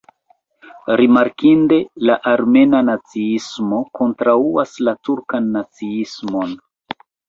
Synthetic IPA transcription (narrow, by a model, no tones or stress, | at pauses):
ɾimaɾkinde̞laʔaɾme̞nanat͡siismo̞kʰo̞ntɾauaslatuɾkanːat͡siismo̞n